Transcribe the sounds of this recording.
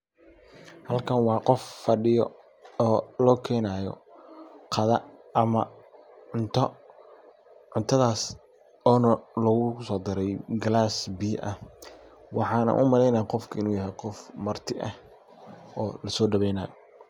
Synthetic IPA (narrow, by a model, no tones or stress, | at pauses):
hɐlkʰɐnwɑːqɔfːɐɖɪjɔ̰ | ɔːlɔːkʰɛːnaːjɔ̰ | qʰɑðɐɐmɐ | ʕʊnt̪ʰɔ | ʕʊnt̪ʰɐðaːs | ɔːnɐlɐɣʊsɔːd̪ɪɾɛjɡɐlaːsbiːʔɐh | wɑħɑːnɐ̰nʔʊmɐlɛjnaːqɔfkʰɐɪnuːjɐɦɛjqɔfmɐrt̪ʰɪʔɐh | ɔːlɐsɔːɖɐβɛjnaːjɔ